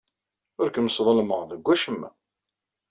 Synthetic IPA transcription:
ʊɾkəmsðˤəlməʁðəɡʷːæʃəmːæ̰

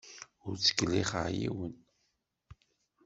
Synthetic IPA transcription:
ʊɾt͡sːə̥kːlːiχə̰ʕjḭwən

